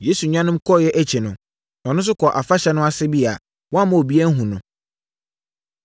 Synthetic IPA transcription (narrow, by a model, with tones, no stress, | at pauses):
je˦su˨ɲᶣã˦nʊ̃˦m̩˦kʰɔ˦˨jɛ˦ʔæ˦t͡ɕʰi˨nʊ̃˨ | ɔ˨nʊ̃˦s̬ʊ˦kʰɔ˨ʔa˨fa˦ɕɛ˦nʊ̃˦a˦sɪ˦bi˦a̰˨ | wɔ̃˦mã˨o˨bi˦æ˦n˦ɦũ˨nʊ̃˨